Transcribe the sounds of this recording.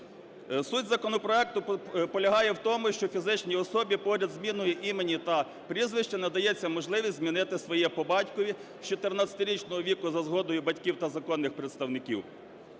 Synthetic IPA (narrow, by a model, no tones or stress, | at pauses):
sudʲzɐkɔnɔpɾɔɛk̚t̪ʊpɔlʲɐɦɑjɛwt̪ɔmʊʃt͡ʃɔfʲizɪt͡ʃnʲiɔsɔbʲipɔɾʲɐd̪zmʲinʊjɛʔimenʲit̪ɐ | pɾʲizʋɪʃt͡ʃɐnɐd̪ɐjɛt͡sʲːɐmɔʒlˠɪʋʲisʲtʲzmʲinɪt̪ɪsʋɔjɛpɔbɑtʲkɔʋʲiwt͡ʃɔt̪ernɑt͡sʲɐ̥t̪ɪɾʲit͡ʃnɔɦɔʋʲikʊzɐzɦɔd̪ɔjʊbɐtʲkʲiwt̪ɐzɐkɔnːɪxpɾet̪st̪ɐwnɪkʲiw